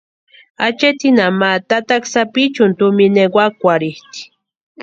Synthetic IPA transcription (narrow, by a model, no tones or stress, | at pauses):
at͡ʃet̪inamat̪at̪aksapit͡ʃʊnt̪umineɡwakʷaɾiht̪i̥